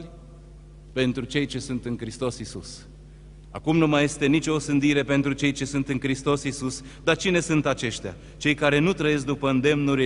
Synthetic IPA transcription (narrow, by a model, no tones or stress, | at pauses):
pe̞nt̪ɾut͡ʃe̞jt͡ʃe̞sunt̪ɨŋkɾist̪o̞sisus | a̰kumnumaje̞st̪e̞nit͡ʃʲo̞sɨnd̪iɾe̞pe̞nt̪ɾut͡ʃe̞jt͡ʃe̞sunt̪ɨŋkɾist̪o̞sisus | d̪at͡ʃine̞sunt̪at͡ʃe̞ʃt̪ea̰ | t͡ʃe̞jkaɾe̞nut̪ɾəje̞s̬k̚d̪upəɨnd̪e̞mnuɾ